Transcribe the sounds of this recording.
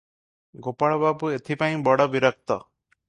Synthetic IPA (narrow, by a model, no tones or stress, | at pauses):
ɡopaɭɔbapuet̪ʰipaĩbɔɽɔbiɾak̚t̪ɔ